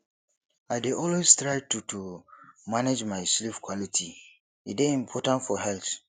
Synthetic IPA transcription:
aɪdeʔɔlwestɹaɪtutʰumaned͡ʒmaɪslifkʰwɔlitʰi | ḭdeĩmpʰɔtãntfɔɦɛlt

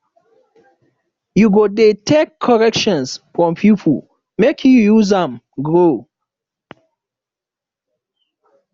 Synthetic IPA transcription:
juɡodetʰekʰːɔɹɛkʃɔ̃nsfɹɔ̃mpʰjipʰul | mekʰjujuzãm | ɡɹo

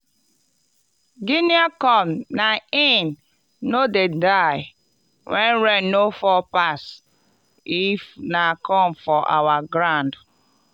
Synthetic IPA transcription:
ɡiniakɔmnaen | nodedaɪ | wɛnɾɛnnofɔpas | ifnakʰɔmfɔʔa̰waɡɾãnd

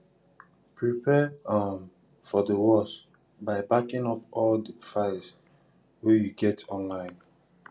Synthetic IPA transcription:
pɹipʰɛam | fɔdəwɔs | baɪbakɪ̃ŋɔpɔldəfaɪs | wɛjuɡɛtʰɔ̃nlãɪ̃n

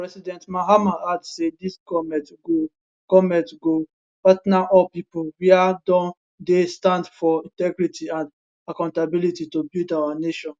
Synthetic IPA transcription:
pɹɛsidɛ̃ntmaɦamaadsediskɔmɛtɡo | kɔmɛ̃tɡo | patnaʔɔpipowiadɔ̃n | destãndfɔĩntɛɡɹitʰiãnd | akãʊ̃ntabilititobildawaneʃɔ̃n

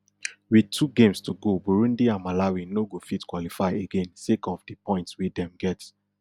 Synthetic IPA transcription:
wid̚tʰuɡẽmstuɡobuɹũndiãnmalawinoɡofitkwɔlifaɪeɡẽnsekɔfdipɔ̃ɪ̃ntswidɛ̃mɡɛt

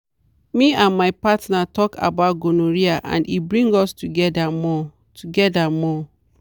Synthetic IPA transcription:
mĩãnmaɪpatnatɔkʰa̰baʊt̚ɡonõɾiaʔã̰ndibɹĩŋɡɔstuɡɛdamɔ | tʰuɡɛdamɔ

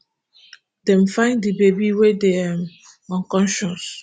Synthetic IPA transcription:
dɛ̃m̩fãɪ̃ndibebiwedeam | ɔ̃nkɔ̃nʃɔ̃ns

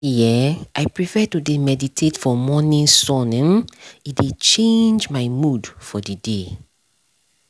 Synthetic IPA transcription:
jɛaɪpɹifɛtudemɛditʰetfɔmɔnĩnsɔñnidet͡ʃẽnd͡ʒmaɪmudfɔdide

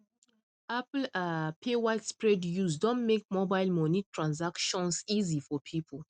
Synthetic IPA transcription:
apl̩apʰewatspɹedjusdɔ̃nmek̚mobaɪlmɔnitʰɹãnsakʃɔ̃nsizifɔpʰipʰəl

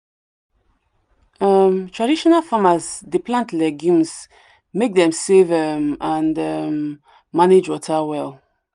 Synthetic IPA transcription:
ʌmtʰɹaɾiʃɔnalˠfamazdipʰlãntʰlɛɡjũmz | mek̚ðɛ̃msevəmãndʌmː | aned͡ʒwɔtʰawɛlˠ

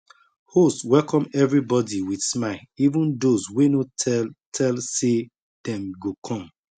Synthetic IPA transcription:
hostwɛlkɔ̃mɛvɹibɔdiwidsmaɪlivũndozwenotʰɛlse | d̥ɛ̃mɡokʰɔ̃m

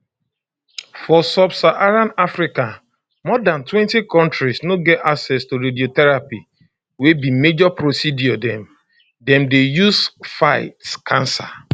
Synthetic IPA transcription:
fɔsɔbsaʔaɾãnafɾikã | mɔdãntwɛ̃ntikɔ̃ntɾisnoɡɛtaksɛstoɾediotɛɹapi | webimed͡ʒɔpɹosidiɔdɛ̃m | dɛ̃mdejusfaɪtskʰãnsa̰

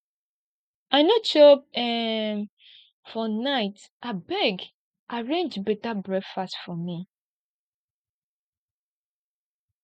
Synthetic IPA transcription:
aɪnot͡ʃɔp̚ɛm | fɔnaɪtʔabɛɡ | ʔaɹẽnd͡ʒbɛtabɹɛkfastfɔmi

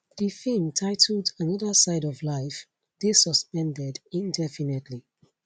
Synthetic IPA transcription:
ð̥ifimtʰaɪtʰl̩ˠdãnɔðə˞saɪɾɔvlaɪf | ðesɔspɛ̃ndɛdĩndɛfinɛtʰli

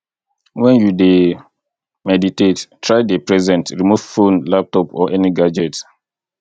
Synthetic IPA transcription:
wɛ̃njude | mɛditettːɹaɪdepɹɛzɛ̃ntɹimuv̥fõnlap̚tɔpɔʔɛniɡad͡ʒɛt

